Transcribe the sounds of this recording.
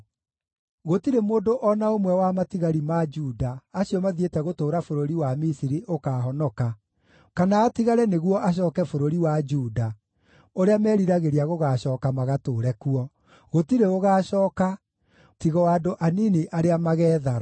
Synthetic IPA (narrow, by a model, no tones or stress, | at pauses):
ɣotiɾemoːndoʔɔnaomwɛwamatiɣaɾimad͡ʒuːdaːsiɔmaðietɛɣotoːɾafoɾoɾiwamisiɾiʔokaːɦɔnɔka | kanaːtiɣaɾɛneɣwɔʔaɕ̬ɔːkɛfoɾoɾiwad͡ʒuːda | oɾeamɛːɾiɾaɣeɾiaɣoɣaːɕɔːkamaɣatoːɾɛkuɔ | ɣotiɾeoɣaːɕɔːka | tiɣɔwaːdoʔaniniʔaɾeamaɣɛːðaɾa